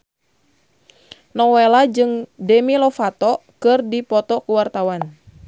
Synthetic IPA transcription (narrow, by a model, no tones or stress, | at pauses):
nɔwelad͡ʒɨŋdɛmilɔfat̪ɔkɨrdipɔt̪ɔkuwart̪awan